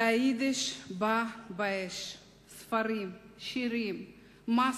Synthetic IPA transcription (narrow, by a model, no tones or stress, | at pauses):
aid̪eʃbabaeʃ | sfɐɾimʃiɾim | ma